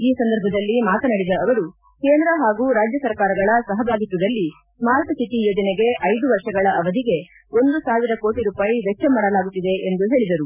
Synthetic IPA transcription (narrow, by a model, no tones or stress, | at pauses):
iːsɐnd̪ɐɾbʱɐd̪ɐlːimaːt̪ɐnɐɽid̪ɐːʋɐɾu | keːnd̪ɾɐɦaːɡuːɾaːd͡ʒjɐsɐɾkaːɾɐɡɐɭɐsɐɦɐbaːɡit̪ːud̪ɐlːi | smaːɾt̪ɐt͡ʃit̪ijod͡ʒ̪ɐneɡe̞ʔɐjd̪uʋɐɾʂɐɡɐɭɐʔɐʋɐd̪iɡe̞ | o̞nd̪usaːʋiɾɐko̞ːʈiɾuːpaːjiʋɛkt͡ʃɐmːaːɽɐlaːɡut̪ːid̪e̞ʔend̪uɦe̞ːɭid̪ɐɾu